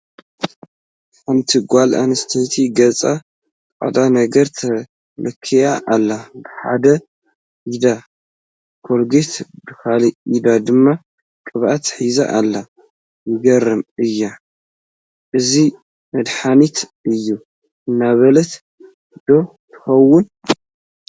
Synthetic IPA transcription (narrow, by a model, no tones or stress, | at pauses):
kɨmt̪ʰiɡʷalʔa̰nɐst̪ʰɐt̪ʰiɡɐt͡sʼa | kʼa̰d̪anɐɡɐɾt̪ʰɐ | lɨkʰːijaʔːlːabɨħa̰d̪ɐ | ʔid̪a | kʰolɡet̪bɨkaliʔid̪ad̪ɨmːa | kʼɨβʔat̪ħiza̰ʔalːa | jɪɡɐrɨmɨjːa | ʔɨzi | mɐd̪ħanit̪ɨjːu | ʔɨnːaβɐlɐt̪ | d̪̥o̞ | t̪ʰɨ̥xɐwːʊn